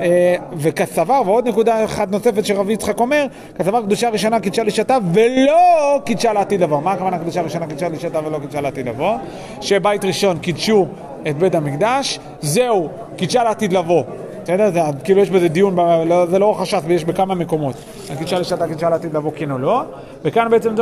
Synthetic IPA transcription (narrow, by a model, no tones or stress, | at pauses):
eve̞kasavaʁveo̞d̪nekud̪aeχad̪no̞se̞fet̪ʃeʁavit͡sχako̞me̞ʁ | kasavaʁkd̪uʃaʁiʃonakid̪ʃaliʃat̪ave̞lokid̪ʃaleat̪id̪lavomaːkavanakd̪uʃaʁiʃonakid̪ʃaliʃat̪avelokid̪ʃaleːt̪id̪lavo̞ | ʃebajt̪ʁiʃo̞nkid̪ʃu | et̪̚be̞tamikd̪aʃ | ze̞u | kid̪ʃaleaːt̪id̪lavo̞ | esed̪eʁzeakiːlujeʃbezed̪ijunbalozelo̞χaʃafvejeʃbekamame̞ko̞mo̞t̪ | akid̪ʃaliʃat̪akid̪ʃaleːt̪id̪lavo̞kenolo̞ | vekanbeet͡semd